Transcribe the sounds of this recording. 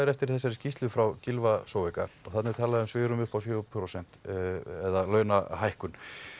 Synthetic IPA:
ɪɾɛft̪ɪɾ̥θɛsːɛɾʏscist̪lʏfɾawcɪlvasowvɛkaɔɣθat̪nɪt̪ʰaːlaðɛmsvɪːɾʏmʏhpafjoːpʰɾosɛn̥t̪ɛðalœːɥnaɦajhkʏn

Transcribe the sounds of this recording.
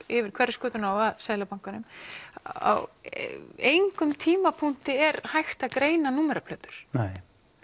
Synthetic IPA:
ɪvɪɾ̥kʰvɛɾːɪskœːt̪ʏnaːwaðsaːjlapaŋ̥kanʏm | a̰w | ejŋkʏmt̪ʰiːmapʰun̥t̪ɪɛɾhajxt̪aðkɾeːjnanuːmɛɾapʰlœːt̪ʏ̥ɾ̥nɛj

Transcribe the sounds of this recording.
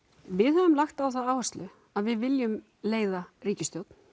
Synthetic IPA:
vɪðhœvʏmlaxt̪awθaaːwɛst̪lʏ | aðvɪðvɪljʏm | leːjðariːcɪst̪jowt̪n̥

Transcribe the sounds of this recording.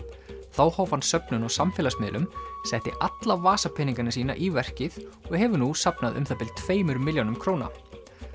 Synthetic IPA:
θawhawvansœpnʏnɔɣsamfɪːlasmɪːlʔʏmsɛht̪ɪʔat̪lavaːsapʰɪniŋkanasiːna̰ʔivɛr̥cɪðɔɣhɛvʏnusapnaðʏ̰mθapɪlt̪ʰveːjmʏɾmɪljawnʏmkʰɾoːwna̰

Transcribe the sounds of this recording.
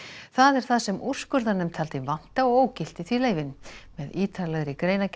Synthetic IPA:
θaðɛɾ̥θaðsɛmur̥skʏɾðanʏmt̪ʰaːlt̪ɪvan̥t̪aɔɣoːwcɪl̥t̪ɪθvileːjvɪnmɛðiːt̪ʰalɛɣɾɪkɾeːjnac

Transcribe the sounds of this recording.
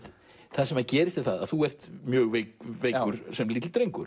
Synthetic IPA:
θaðsɛmaðcɛːɾɪst̪ɪθaða̰ðθuɛr̥t̪mjœːɣvekveːjkʏɾ̥sɛmlit̪lt̪ɾejŋkʏɾ̥

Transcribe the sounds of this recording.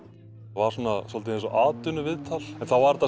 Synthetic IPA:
vaɾ̥sanasɔlt̪ɪɛnsɔʔaːt̪ʏnʏvɪðt̪ʰalɛnθavaɾt̪a

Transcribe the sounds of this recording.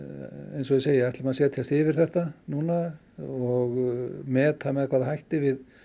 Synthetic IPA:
ejnsɔɪseːjaɛht̪lɪmaðsjɛːt̪ʰjast̪ɪːvɪɾ̥θɛht̪anuna | ɔɣmɛːt̪ʰamɛðakʰvaːðaɦajht̪ɪvɪð

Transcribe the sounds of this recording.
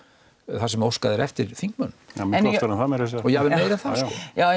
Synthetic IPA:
θasɛmowskaðɛɾɛft̪ɪɾ̥θiŋk̚mœnaɾanθamɛɾɛs̬aɔjɛavɾejɾaθaskɔ̰ja

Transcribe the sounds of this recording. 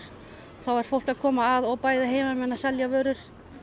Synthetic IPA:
ɾ̥ | θawaɾ̥fowl̥kaðkʰɔːmaːðɔɣpaːjðaɦeːjmamɛnːasɛljavœːɾʏɾ̥

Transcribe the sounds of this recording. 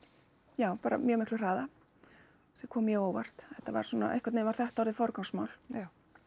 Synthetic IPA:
jaːwpaːɾa̰mjœmɪhklʏr̥aːða | sɛkʰɔːmjɛɣowva̰r̥t̪ɛht̪ːava̰ɾ̥suːna̰ʔḛjhkvat̪eːmvaɾ̥θɛht̪aɔɾðɪfɔɾkaŋsmawl

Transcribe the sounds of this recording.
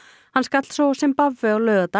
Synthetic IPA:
hanskat̪lsɔsɛmpavʏalœːðat̪a

